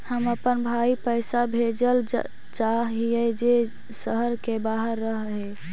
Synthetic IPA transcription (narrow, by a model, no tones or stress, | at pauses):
həməpənbʱaipəjsabʱed͡ʒəl | t͡ʃaɦijəjd͡ʒe | səɦəɾkebaɦəɾːəɦɦe